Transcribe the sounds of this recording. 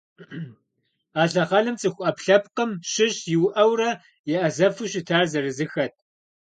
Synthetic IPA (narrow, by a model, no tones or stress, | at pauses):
aːɬɐʁɐlɨmt͡sʼɨxʷʊʔɐpɬɐp̚qəmɕɪɕjɪwʔɐwrɐ | jɛʔɐzɐfuɕɪtʰaːrzɐrɨzɨxɐt̚ʰ